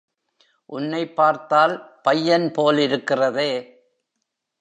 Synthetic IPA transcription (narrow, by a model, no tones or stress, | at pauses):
ʔʊnːɐɪpːaːɾt̪aːlpɐjːɐnpoːlɪɾɯkːɪrɐðeː